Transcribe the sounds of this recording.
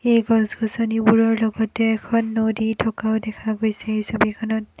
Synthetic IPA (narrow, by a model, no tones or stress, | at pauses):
ejɡɔnsɡʰɔsonibuɹɔɹlɔɡɔtɛːkʰɔnːoditʰɔkaʊdɛkʰaɡojsɛejsɔbikʰɔnɔt